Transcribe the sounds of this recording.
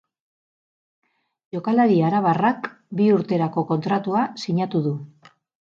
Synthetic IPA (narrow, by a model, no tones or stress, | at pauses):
jo̞kalaɾiaɾaβ̞arak | biuɾt̪e̞ɾako̞ko̞nt̪ɾat̪uasiɲat̪uðu